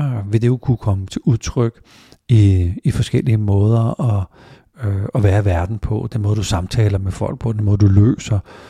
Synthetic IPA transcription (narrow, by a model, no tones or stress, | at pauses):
ʋe̝d̥e̝jokʰukʰɒ̽mət͡sʰe̝ʔuðˠt͡sʰʁœɡ̥ | iifɒ̽sɡ̥el̰iəmɔ̽ːð̞ˠɐɒ̽ | ɒ̽ʋæːɐʋæɐd̥n̩pʰɒ̽d̥enmoɔːðˠd̥usɑ̈mt͡sʰɛ̰ːlɐmefɒ̽l̰ɡ̥̚pʰɒ̽d̥enmɔ̽ːð̩ˠd̥ulø̰ːsɐ